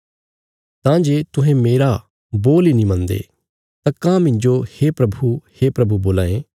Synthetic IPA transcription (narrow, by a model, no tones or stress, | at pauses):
t̪ãːd͡ʒeːt̪ʊ̃ɦɛ̃meːɾa | boːlinĩmɐ̃nd̪ḛ | t̪ãkãːmɪ̃ɲd͡ʒoheːpɾɐbʱuheːpɾɐbuboːlãːẽ